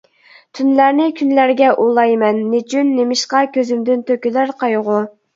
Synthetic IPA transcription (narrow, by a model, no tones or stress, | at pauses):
t̪ʰynlæɾnɪkʲʰynlæɾɡʲɛʔolˠɑjmɛnːɪt͡ʃʰynːemɪʃqɑkʲʰøzymd̪ynt̪ʰøkʲylæɾqʰɑjʁʊ